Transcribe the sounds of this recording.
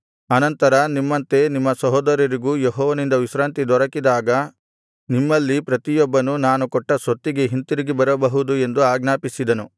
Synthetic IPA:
ɐnɐnt̪ɐɾɐnimːɐnt̪e̞nimːɐsɐɦɔːd̪ɐɾjɐɾiɡujeɦɔːʋɐnind̪ɐʋiʃɾaːnt̪id̪ɔɾɐkid̪aːɡɐ | nimːɐlːipɾɐt̪ijɔbːɐnunaːnukɔʈːɐsʋɐt̪ːiɡeɦint̪iɾiɡibɐɾɐbɐɦud̪ue̞nd̪uaːɡnaːpisid̪ɐnu

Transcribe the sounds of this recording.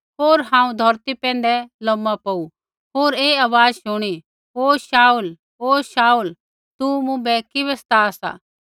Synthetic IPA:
ɦoːɾɦãːũd̪ʱɔɾt̪ipɛ̃ːn̆d̪ɛlɔmːapɐu | ɦoːɾeːaʋaːd͡zʃʊɽ̃i | ɦoːʃaːul | oːʃaːul | t̪umũbɛkɪβɛst̪aːsa̰ː

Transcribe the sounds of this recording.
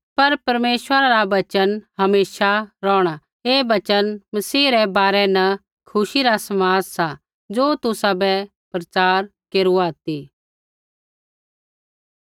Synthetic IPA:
pɐɾpɐɾmeːʃʋəɾaɾaʋɐt͡ʃənɦɐmeːʃaɾɔːɽ̃a | eːbɐt͡ʃənmɐsiːɾɛbaːɾɛnɐ | kʰʊʃiɾasɐmaːzsa | d͡ʒoːt̪ʊsabɛ | pɾɐt͡ʃaːɾkeːɾuaːt̪i

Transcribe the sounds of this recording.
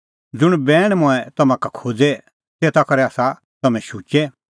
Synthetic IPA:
d͡zʊɽ̃bɛːɽ̃mʊ̃ɛt̪ɐmãkakʰoːd͡zɛ | seːt̪akɐɾɛaːsa | t̪ɐmɛ̃ʃuːt͡ʃɛ

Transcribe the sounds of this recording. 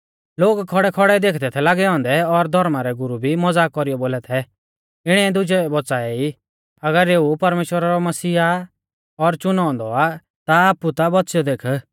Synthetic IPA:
loːɡkʰɔɽɛkʰɔɽɛd̪eːkʰd̪ɛt̪ʰɛlaːɡɛɔ̃ːnd̪ɛɔɾd̪ʱɔɾmaɾɛɡʊɾubʱimɔd͡zaːkɔɾijɔboːlɛt̪ʰɛ | ɪɽ̃ɛd̪ʊd͡ʒɛbɔt͡saːɛi | ɐɡəɾeːupɐɾmeːʃwəɾaɾɔmɐsiːa | ɔɾt͡ʃʊnɔ̃ːnd̪ɔa | t̪aaːput̪abɔt̪sjɔd̪eːkʰə

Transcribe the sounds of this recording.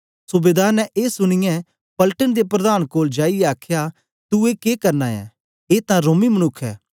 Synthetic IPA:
sʊbeːd̪aːɾnɛʔeːsʊñɪjɛ̃ | pɐlʈənd̪epɾɐd̪aːnkoːld͡ʒaːiɛaːkʰja | t̪uekeːkɐɾnaːjɛ̰̃ː | eːt̪ãɾoːmimənʊkʰːɛ̰ː

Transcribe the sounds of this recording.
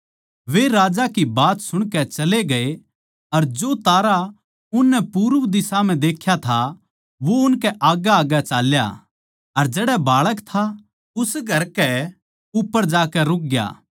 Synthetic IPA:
ʋeɾaːd͡ʒakibaːt̪sʊɽ̃kɛt͡ʃɐleɡɐe | ɐɾd͡ʒoːt̪aːɾa | ʊnːɛpuːɾəʋd̪ɪsam̤ɛ̃d̪eːkʰjat̪ʰa | ʋoʊnkɛʔaːɡaːɡat͡ʃaːlja̰ | ɐɾd͡ʒeːɽɛbaːɭəkt̪ʰa | ʊsɡʱɐɾkɛ | ʊpːəɾd͡ʒaːkɛɾʊk̚ɡja̰ː

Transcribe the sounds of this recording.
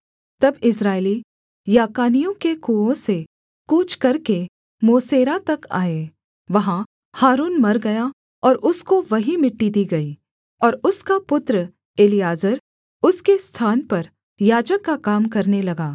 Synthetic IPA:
t̪ɐbɪsɾaːɪli | jaːkaːnijõkekuːõse | kuːt͡ʃkɐɾke | moːseːɾat̪ɐka̰ːe | ʋɐɦã | haːɾuːnmɐɾɡɐja | ɔːɾʔʊskoʋɐɦimɪʈːid̪iːɡɐiː | ɔːɾʊskapʊt̪ɾə | eːlɪjaːzəɾ | ʊskest̪ʰaːnpɐɾ | jaːd͡ʒəkːakaːmkɐɾnelɐɡaː

